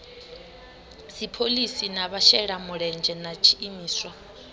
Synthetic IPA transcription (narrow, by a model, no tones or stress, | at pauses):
sipʰolisinaβaʃɛɺamuɺɛnd͡ʒʱɛnat͡ʃʰiːmiːswa